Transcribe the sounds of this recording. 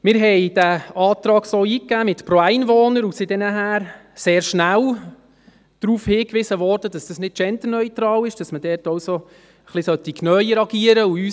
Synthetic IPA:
mɪɾɦɛjd̥æɑːt̪ɾɑːɡsoːiːkːæːmɪtpɾoæɪnvoːnəɾusidɛnəɦæːɾ | seːɾʃnæl | d̪̥ɾuːfhɪːkʋɪsəʋɔɾd̥əd̥ɑsd̥ɑsnɪt̚t͡ʃɛnt̪ənœʏtɾɑːlɪʃd̥ɑsmədɛːɾtɔwso | χlɪsœt̪iknœjəɾɑɡiːəɾəuyː

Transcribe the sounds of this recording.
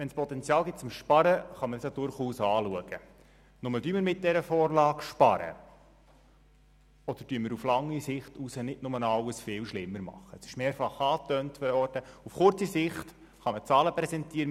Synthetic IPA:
ʋɛnspɔt̪ɛnt͡sjɑːlˠɡɪt̚t͡sʊmʃpɑɾəχɑmədɑsjadʊɾχuːsɑːluəɡ̥ə | nʊmədyːməɾmɪt̚dɛɾəfɔːrlɑːkʃpɑɾə̰ | ɔd̪̥əɾdyəməɾuflɑŋːisɪχtusənɪdnʊmənɑwəsfɪːlʃlɪmːəɾmɑ̰χːəəsɪ̥ʃmeːɾfɑχɑːtœːntfɔdəɔrtəufχʊɾt͡sisɪχt | χɑmət͡sɑːləpɾɛsɛntiːəɾə

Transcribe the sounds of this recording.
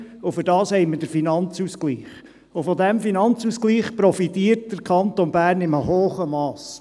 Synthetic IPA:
ʊfʏɾdɑːshɛɪmədəɾfinɑnt͡suːskliːχ | ʊfɔdɛmfinɑnt͡suːskliːχpɾɔfit̪iːərt̚d̥əɾkʰɑnt̪onbæːɾnɪməɦoːχəmɑːs

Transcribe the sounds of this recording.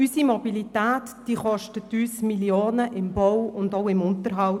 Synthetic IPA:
ysimɔbilit̪æːtd̥iːχɔʃtətːyːsmiljoːnəʔɪmbɔwʊndoʊɪmʊnt̪əɾɦɑw

